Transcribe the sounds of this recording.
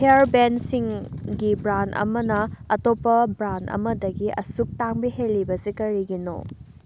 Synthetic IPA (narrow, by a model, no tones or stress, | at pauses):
heaɾbensiŋɡibɾandɐ̰mɐnɐɐtopːɐbɾanɐ̰mɐdɐɡiʔɐsuk̚taŋbiɦelːibɐsikɐɾiɡino̰